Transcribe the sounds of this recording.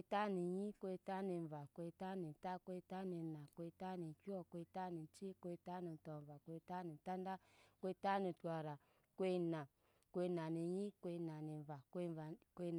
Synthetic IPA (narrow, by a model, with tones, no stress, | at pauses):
ta˦ni˨ji˦kʷe˧˦ta˦ni˧˨va˨kʷe˧˦ta˦ni˨ta˦kʷe˧˦ta˦ni˧˨na˨kʷe˧˦ta˦ni˨ki˦ɔ˦˨kʷe˧˦ta˦ni˨t͡ʃi˦kʷe˧˦ta˦ni˨tɔ˨va˨kʷe˧˦ta˦ni˨ta˦n˦da˦kʷe˦˧˦ta˦ni˨tʷwa˨ɾa˨ | kʷe˦na˨ | kʷe˦˧na˨ni˨ɲi˦kʷe˧na˨ni˨va˨kkʷe˧˦˨